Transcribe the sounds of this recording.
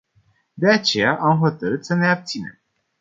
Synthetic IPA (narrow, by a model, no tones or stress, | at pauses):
d̪e̞at͡ʃe̞jaʔamɦo̞t̪əɾɨt̪səne̞ab̚t̪sine̞̰m